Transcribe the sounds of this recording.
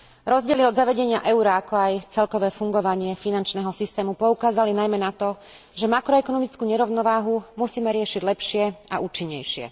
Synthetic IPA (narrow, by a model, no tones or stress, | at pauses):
ɾɔzɟɪɛliɔd̪zaʋɛɟɛɲɪaʔɛʊɾaakɔajt͡sɛlkɔʋɛːfuŋɡɔʋaɲɪɛfinant͡ʃnɛːɦɔsist̪ɛːmupɔukaːzalinajmɛnat̪ɔ | ʒɛmakɾɔɛkɔnɔmit͡skuːɲɛɾɔʊnɔʋaːɦumusiːmɛɾɪɛʃiɟlɛpʃɪɛaʔuːt͡ʃiɲːɛjʃɪɛ̰